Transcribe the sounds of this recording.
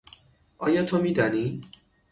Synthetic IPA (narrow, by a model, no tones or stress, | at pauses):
ʔɒːjɒːt̪ʰomiːd̪ɒni